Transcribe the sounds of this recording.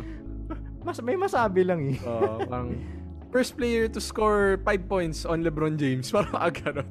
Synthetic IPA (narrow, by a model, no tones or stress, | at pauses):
mɐsmɐjmɐsaːbɪlɐŋɛopaːɾɐŋ | fɛɹst̪̚plɛjɛɹt̪ʊskoɹpajd̪̚pojnt̪sɔnlɛbɾond͡ʒejmspaːɾɐmɐʔɐɡɐnon